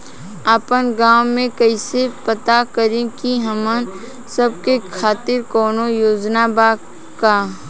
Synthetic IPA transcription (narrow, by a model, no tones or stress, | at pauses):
apənɡaːwmẽkəisepət̪akəɾẽkiɦɐmən | səb̚kekʰaːt̪ɪɾkɔːnojoːd͡ʒnabaː | kaː